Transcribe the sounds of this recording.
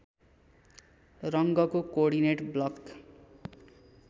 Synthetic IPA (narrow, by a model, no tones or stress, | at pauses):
rʌŋɡʌkokoɽineʈblʌk